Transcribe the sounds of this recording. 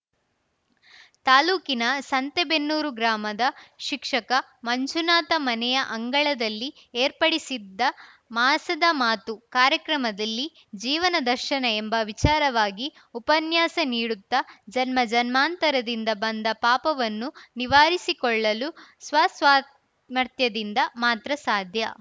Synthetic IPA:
t̪aːluːkinɐsɐnt̪ebenːuːɾuɡɾaːmɐd̪ɐʃikʂɐkɐmɐɲt͡ʃunaːt̪ɐmɐnɛjɐʔɐŋɡɐɭɐd̪ɐlːi | eːɾpɐɽisid̪ːɐ | maːsɐd̪ɐmaːt̪ukaːɾjɐkɾɐmɐd̪ɐlːi | d͡ʒiːʋɐnɐd̪ɐɾʃɐnɐembɐʋit͡ʃaːɾɐʋaːɡi | upɐnjaːsɐniːɽut̪ːɐd͡ʒɐnmɐd͡ʒɐnmaːnt̪ɐɾɐd̪ind̪ɐbɐnd̪ɐpaːpɐʋɐnːuniʋaːɾisikɔɭːɐlusʋɐːsʋaː | mɐɾt̪jɐd̪ind̪ɐmaːt̪ɾɐsaːd̪ʱjɐ̰

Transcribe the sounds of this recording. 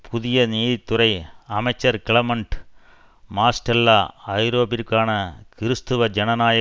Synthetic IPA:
pʰuðijɐniːðit̪ːurɐjɐmɐt͡ɕːɐrkiɭɐmɐɳɖ | maːsʈɐlːɐɐjɾo̞ːbiɾkʲːaːɳɐkiɾɨst̪uʋɐd͡ʑenɐnaːjɐ

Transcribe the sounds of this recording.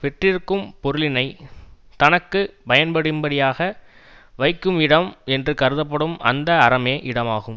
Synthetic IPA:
ʋɛʈrɪɾɯkːɯmpɔɾɯlɪnɐɪt̪ɐnɐkːɯpɐjɐnpɐɽɯmbɐɽɪjaːɣɐ | ʋɐɪkːɯmɪɽɐmɛndrɯkɐɾɯðɐpːɐɽɯmʔɐ̰nd̪ɐːɾɐmeːʔɪɽɐmaːɣɯm

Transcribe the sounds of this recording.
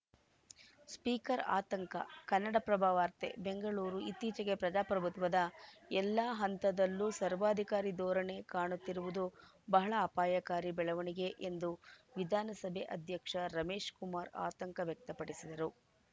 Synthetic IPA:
spiːkɐɾa̰ːt̪ɐŋkɐ̰kɐnːɐɽɐpɾɐbʱaːʋaːɾt̪ḛbeŋɡɐɭuːɾuit̪ːiːt͡ʃɐɡe̞pɾɐd͡ʒaːpɾɐbʱut̪ʋɐd̪ɐɛlːaːɦɐnt̪ɐd̪ɐlːuːsɐɾʋaːd̪ʱikaːɾid̪ɔːɾɐɳe̞kaːɳut̪ːiɾuʋud̪u | bɐɦɐɭɐːpaːjɐkaːɾibɛɭɐʋɐɳiɡe̞ʔend̪uʋid̪ʱaːnɐsɐbʱeʔɐd̪ʱjɐkʂɐɾɐme̞ːʂkumaːɾa̰ːt̪ɐŋkɐʋjɐk̚t̪ɐpɐɽisid̪ɐɾu

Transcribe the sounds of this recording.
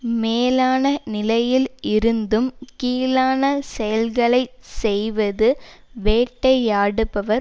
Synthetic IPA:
meːlaːnɐnɪlɐjɪlɪɾɯnd̪ɯmkiːlaːnɐsɛjɐlɣɐɭɐɪsɛjʋɐðɯ | ʋeːʈːɐɪaːɽɯpːɐʋɐɾ

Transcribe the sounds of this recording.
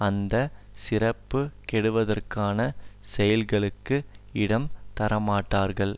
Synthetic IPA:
ɐnd̪ɐsɪrɐpːɯkɛɽɯʋɐðɐrkaːnɐsɛjɐlɣɐɭɯkːɯɪɽɐmt̪ɐɾɐmaːʈːaːɾɣɐɭ

